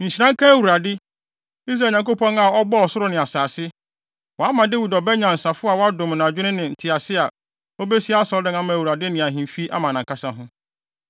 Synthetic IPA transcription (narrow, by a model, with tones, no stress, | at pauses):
ɲ̩˨ɕi˨nã˦ŋ˦kʰã˦æ˦˨wu˨ɾa˨dɪ˦ | i˦s̬ɾa˨ɲã˨ŋko˦pʰɔ̃˦na˨ɔ˦bɔ˦ɔ˨sʊ˦ɾʊ˦nɪ̃˨a˨saː˨sɪ˦ | wɔ˨a˦mã˨de˦wi˨dɔ˨bɛ˦ɲã˨n̩˨sa˨fʊ˦a˨wɔ˦a˦dʊ̃˨mnã˨d͡ʑᶣɪ˦ɪ̃˦nɪ̃˨n̩˨tʰɪ˨a˨sɪ˦a˨ | o˦be˦si˦a˦sɔ˦ldɪ̃˦n˦a˦mã˨wu˨ɾa˨dɪ˦nɪ̃˨ã˨ɦĩ˨m˨fi˦ʔa̰˦mã˨nã˨ŋkʰa˦sã˦ɦʊ̃˦